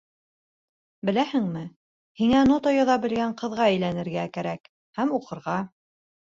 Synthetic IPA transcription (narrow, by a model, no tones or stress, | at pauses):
bɘ̆læhɘŋmɘ | hiŋænot̪ojɤ̆ðɑbɘ̆lɡæɴqɤ̆ðʁɑæjlænɘ̆ɾɡækæɾæk | hæmuqɤ̆ɾʁɑ